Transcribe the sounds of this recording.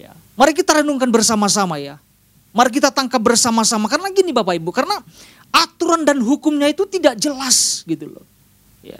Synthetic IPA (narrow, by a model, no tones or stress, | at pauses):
ja̰ | maɾikit̪aɾenuŋkanbərsamas̬amaja | maɾik̬it̪at̪aŋkap̚bərsamasamakarənaɡinibapaibukarəna | ʔat̪uɾandanɦukʊmɲait̪ut̪idaʔ̚d͡ʒəlasɡit̪ulo̰ | ja̰